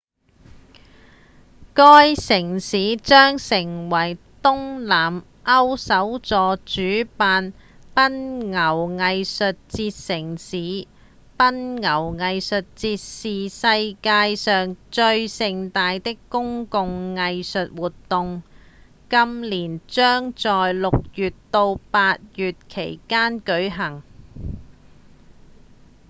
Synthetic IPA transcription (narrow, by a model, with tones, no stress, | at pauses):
kɔː˥jsɪ˨˩ŋsiː˨˥t͡ʃœː˥ŋsɪ˨˩ŋwɐ˨˩j | t̪ʊ˥ŋlaː˨˩m | ʔɐ˥wsɐ˨˥wt͡sɔː˨˧t͡ʃyː˨˥paː˧npɐ˥nŋɐ˨˩wŋɐ˧jsɵ˨t̚t͡siː˧t̚sɪ˨˩ŋsiː˨˥ | pɐ˥nŋɐ˨˩wŋɐ˧jsɵ˨t̚t͡siː˧t̚siː˨sɐ˧jkaː˧jsœː˨ŋt͡ʃɵ˧ɥsɪ˨˧ŋt̪aː˧jt̪ɪ˥kkːʊ˥ŋkʊ˨˧ŋːɐ˧jsɵ˨t̚wuː˨tt̪ʊ˨˧ŋ | kɐ˥mliː˨˩nt͡sœː˥ŋt͡sɔː˨jlʊ˨k̚jyː˨tt̪o˧wpaː˧t̚jyː˨t̚kʰe˨˩jkaː˥nkɵ˨˥ɥɦɐ˨˩ŋ